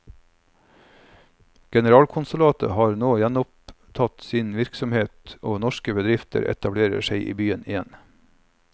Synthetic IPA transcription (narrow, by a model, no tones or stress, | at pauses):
ɡ̥ɛnəɾɑːlkʰʊnsʊlɑːt̪ə̰hɑːɾnoːjɛnʊp̚t̪ʰɑt̪sɪnʋɪɾksɔmheːt̪oːnɔʃkəbəd̪ɾɪft̪ʰə̰ɾɛ̰t̪ɑbleːɾə̰ʃeɪʔḭːbyːənɪjɛn